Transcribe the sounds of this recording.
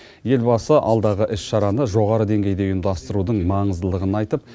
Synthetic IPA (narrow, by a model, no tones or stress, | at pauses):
je̞lbɑsəʔɑ̰lˠd̪ɑʁəʔɪsʃɑɾɑnəʒo̞ʁɑɾəd̪e̞ŋɡʲe̞jd̪e̞ʊjəmd̪ɑst̪əɾud̪əɴmɑɴəzd̪əlˠəʁənɑjt̪əp̚